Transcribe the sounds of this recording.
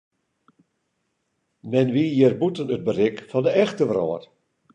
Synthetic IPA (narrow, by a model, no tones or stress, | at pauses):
mɛnʋijɪrbutənəd̚bərɪkfɔndəɛxtəʋrɔ̰ːər